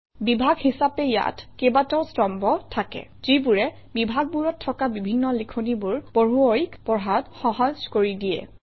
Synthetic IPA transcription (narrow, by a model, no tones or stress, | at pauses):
bibʱaɡhisapɛja̰tʰkebatɔwstɔmbɔtʰakɛ̰zibuɹɛ | bibʱaɡ̚buɹɔtʰːɔkabibʱinːɔlikʰonibuɹb̥oɹuoɹikpɔɹɦatxɔɦɔzkoɹidijɛ̰